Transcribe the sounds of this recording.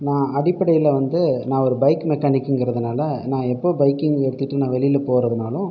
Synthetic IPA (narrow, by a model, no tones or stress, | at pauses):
nãːɐɽɪpːɐɽɐjɪlɐʋɐnd̪ɯnãːɔɾɯbɐɪkmɛkːaːnɪkːɛŋɡɪɾɐðɯnaːlɐnãːɛpːoːbɐɪkːɪŋɛɽɯt̪ːɪʈːɯnãːʋɛɭɪjɪlpoːɾɐðɯnaːlʊ̃